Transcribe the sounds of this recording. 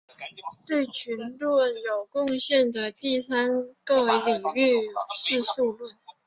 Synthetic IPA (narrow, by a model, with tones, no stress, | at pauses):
t̪we˥˩ɪt͡ɕʰy˧˥nʈ͡ʂɔ˥˩jo˨˩ʊkʊ˥˧ŋɕjɛ˥˩nd̪ə˩t̪i˥˩sa˥nkɤ˥˩li˨˩ŋy˥˧ʂɻ̩˥˧su˥˧lə˥˩n